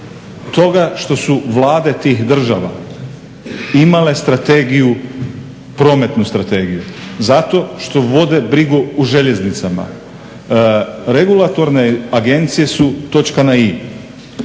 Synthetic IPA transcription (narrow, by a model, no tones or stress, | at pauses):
t̪o̞ɡaʃt̪o̞suʋlˠaːd̪e̞t̪iːxd̪r̩ʒaʋa̰ | imale̞st̪ɾat̪e̞ɡiju | pɾo̞ːme̞t̪nust̪ɾat̪e̞ɡijuzat̪o̞ʃt̪o̞ʋo̞d̪e̞bɾiɡuuʒe̞ʎe̞znit̪sama̰ | ɾe̞ɡulˠat̪o̞ɾne̞aɡe̞nt̪sije̞sut̪o̞t͡ʃkanai